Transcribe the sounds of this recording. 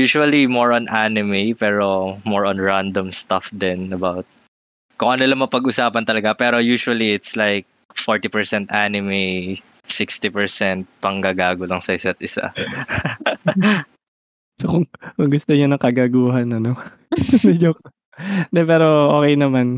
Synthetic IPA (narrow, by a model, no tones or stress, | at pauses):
juːʃuɐlimoɹonʔanɪmepɛːɹo̞mɔɹõnɹand̪omst̪ɐfd̪ɛnɐbawt̪̚ | kʊŋʔɐnolɐŋmɐpɐɡʔʊsaːpɐnt̪ɐlɐɡapɛːɾo̞juːʃʊɐliɪt̪slajk̚ | foɹt̪ipɛɹsɛnt̪ʔanɪme | sɪkst̪ipɛɹsɛnt̪̚pɐŋɡaːɡaːɡolɐŋsɐɪsat̪̚ʔɪsa̰ | sokʊŋkʊŋɡʊst̪oɲonɐkɐɡaɡuːɦɐnɐno | mɛd͡ʒo | d̪ɛpɛːɾoʔoːkɛjnɐman